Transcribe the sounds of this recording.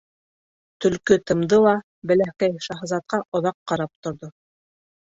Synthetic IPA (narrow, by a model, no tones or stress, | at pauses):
t̪ɵ̆lkɵt̪ɤ̆md̪ɤlˠɑ | bɘ̆læhkæjʃɑɦɤ̆zɑt̪̚qɑʔŏðɑqːɑɾɑp̚t̪ŏɾðo